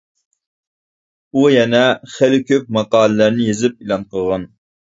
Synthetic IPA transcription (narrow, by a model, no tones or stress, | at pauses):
ujɛnɛχelɪkʲʰøp̚mɑqɑːlˠɪlæɾnɪjezɪp̚ilˠɑnqəʁɑn